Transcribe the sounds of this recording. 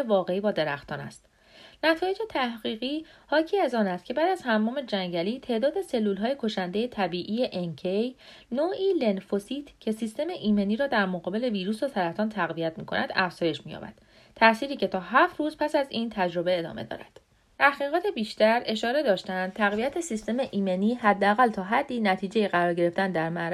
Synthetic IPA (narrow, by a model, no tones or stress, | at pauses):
evɒːɣe̞iːbɒːd̪e̞ɾæxt̪ʰɒːnæ̰st̪ | næt̪ʰɒːjed͡ʒe̞t̪ʰæhɢiːɣiːhɒːcʰiːæzɒːnæst̪cʰe̞bæːd̪æzhæmːɒːme̞d͡ʒæŋɟæliːt̪ʰe̞ʔd̪ɒːd̪e̞se̞lːuːlɦɒːje̞kʰo̞ʃænd̪ejet̪ʰæbiːʔiːje̞ʔeŋcʰej | noːʔiːle̞nfosiːt̪ʰcʰe̞sist̪e̞me̞ʔiːme̞niːɾɒːd̪æɾmoɣɒːbe̞le̞viːɾuːsot̪ʰæɾæft̪ɒːnt̪ʰæɣvijæt̪mḭːkʰo̞nʔæ̰d̪̥æ̰fz̥ɒːje̞d͡ʒmiːjɒ̰ːbæ̰d̪̥ | t̪ʰæsiːɾiːcʰe̞t̪ʰɒːɦæːft̪ruːzpʰæsæziːnt̪ʰæd͡ʒɾo̞be̞ed̪ɒ̰ːme̞d̪ɒ̰ːɾæ̰d̪̥ | t̪ʰæhɣiːɣɒːt̪ʰe̞biːʃt̪æɾe̞ʃɒːɾe̞d̪ɒːʃt̪æænd̪̥̚t̪ʰæɣvijæt̪ʰesist̪e̞me̞ʔiːme̞niːɦæd̪ːeæɣælt̪ʰɒːɦæd̪ːiːnæt̪ʰiːd͡ʒe̞jeɣæɾɒːɾɟe̞ɾe̞ft̪ænd̪æɾmæɾ